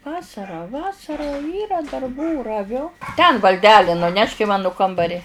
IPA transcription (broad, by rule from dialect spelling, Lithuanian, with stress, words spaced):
ˈʋɑːsɐrɐ ˈʋɑːsɐrɐ ˈiːrɐ dɐrˈbuː rɐˈʋʲʊ tʲɛn ʋɐlʲˈdʲæːlʲɪ nʊˈnʲɛʃk ɪ ˈmɑːnʊ ˈkɐmbɐrʲɪ